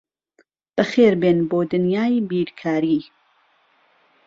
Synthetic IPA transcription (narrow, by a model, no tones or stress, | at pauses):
b̥ɐxeːɾbeːnboːd̪ɨnjaːjbiːɾkʰaːɾiː